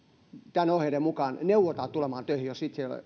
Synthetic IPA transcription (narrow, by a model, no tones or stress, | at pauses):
t̪ænohelemukɑːnneuʋot̪ɑːtt̪ulemɑːnt̪øihijossit̪sel